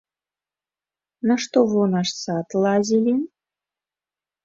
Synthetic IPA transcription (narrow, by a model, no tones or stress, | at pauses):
naʃt̪oβonɑʂsɑt̪lˠɑzʲilʲin